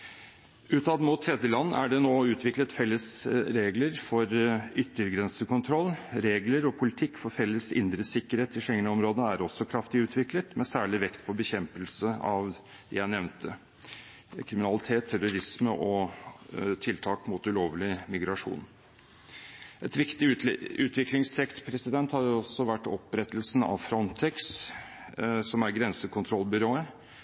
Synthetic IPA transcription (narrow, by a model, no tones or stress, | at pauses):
ʉːt̪ʰɑd̪mʊt̪ʰːɾɛd̪jəlɑnːæ̰ɖɛnoːʉːt̪ʰʋɪklət̪fɛlːəsɾeːɡləɾfɔɾʏt̪ːəɾɡɾɛnsəkʊnt̪ʰɾɔlːɾeːɡləɾɔpʰʊlɪt̪ʰɪkːfɔɾfɛlːəsɪ̰nd̪ɾəsɪkːəɾheːt̪ɪʂɛŋənəɔmɾoːd̪əæɾɔsːɔkʰɾɑft̪ɪʉːt̪ʰʋɪklət̪mɛsæːɭɪʋɛkt̪pʰɔbəçɛmpəlsəɑʋ | d̪ɛ̰jæɪnɛʋnt̪ʰə | kʰɾɪmɪnɑlɪt̪ʰeːt̪ʰːɛɾʊɾɪsməʔɔ | t̪ʰɪlt̪ʰɑːkmʊt̪ʉloːʋlɪmɪɡɾɑʂṵːn | ʔɛt̪ʋɪkt̪ɪʉːt̪ʋɪklɪŋst̪ʰɛkt̪pʰɾɛsɪd̪ɛnt̪hɑɾjʊɔsːɔʋæʈːɔ̰pɾɛt̪əlsn̩ɑ̰ʋfɾɔnt̪ʰɛks | sɔmæɾɡɾɛnsəkʰʊnt̪ʰɾɔlbʏɾoːə